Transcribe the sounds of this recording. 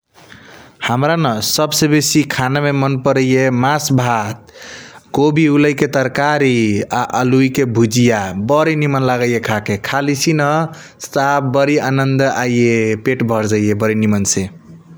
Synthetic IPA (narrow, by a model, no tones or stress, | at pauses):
həmɾanəsəbsebesikʰanamemənpəɾəjemasbʱat̪̚kobʱiuləjket̪əɾkaɾiaʔəluikebʱud͡ʒijabəɾinimənlaɡəjekʰakekʰalisinə | st̪abbəɾianənd̪ajjepeʈbʱʌɾd͡ʒajebəɾinimənse